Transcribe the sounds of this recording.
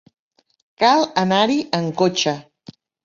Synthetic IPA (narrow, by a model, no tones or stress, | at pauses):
kalˠənaɾiʔəŋkot͡ʃə